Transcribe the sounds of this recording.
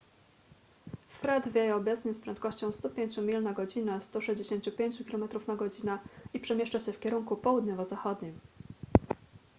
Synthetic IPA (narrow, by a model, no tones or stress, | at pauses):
fɾɛd̪vʲjejɛɔbɛt̪sɲɛspɾɛnt̪kɔɕt͡ɕɔ̃w̃st̪upʲjeɲt͡ɕumʲilnaɡɔd͡ʑinast̪uʂɛʑd͡ʑeɕeɲt͡ɕupʲjeɲt͡ɕukʲilɔmɛt̪ɾufnaɡɔd͡ʑinaipʂɛmʲjeʂt͡ʂaɕɛfkʲɛɾuŋkupɔwud̪ɲɔvɔzaxɔd̪ɲim